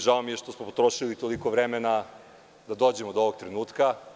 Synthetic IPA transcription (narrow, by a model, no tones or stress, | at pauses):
ʒaomijeʃt̪osmopot̪ɾoʃilit̪olikoʋɾemena | d̪ad̪o̞ːd͡ʑe̞mod̪ooʋoɡ̚t̪ɾenuːt̪ka